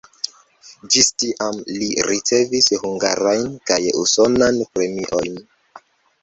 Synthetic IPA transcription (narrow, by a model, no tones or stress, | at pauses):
d͡ʒistiʔamliɾit͡se̞vishuŋɡaɾajnkajṵso̞nanpɾe̞miʔo̞̰jn